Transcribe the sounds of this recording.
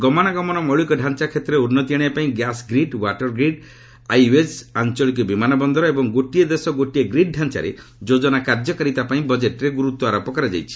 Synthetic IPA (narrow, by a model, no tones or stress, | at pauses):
ɡɔmɔɽ̃aɡɔmɔñɔmɔɭikɔɖʱant͡ʃakʰet̪ɾeunːɔt̪iaɽ̃iapaĩɡjasɡɾiɖwaʈɔɾɡɾiɖ | ajuesant͡ʃɔɭikɔbimanɔbɔnd̪ɔɾɔebɔŋɡoʈied̪esɔɡoʈieɡɾiɖ̚ɖʱant͡ʃa̰ɾḛ | d͡ʒod͡ʒɔnakaɾd͡ʒɔkaɾit̪apaĩbɔd͡ʒeʈɾeɡuɾut̪wɔaɾɔpɔkaɾad͡ʒa̰jt͡ʃʰi̥